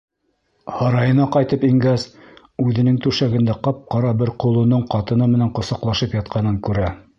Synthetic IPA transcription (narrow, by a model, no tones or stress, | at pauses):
hɑɾɑjɤ̆nɑqɑjt̪ɤpiŋɡæs | ʉðɘ̆nɘŋt̪ʉʃæɡɘ̆nd̪æqɑp̚qɑɾɑbɘɾqŏlˠŏnoɴqɑt̪ɤ̆nɤmɘ̆næɴqŏsɑqlˠɑʃɤpjɑt̪̚qʰɑnɤŋkʉɾæ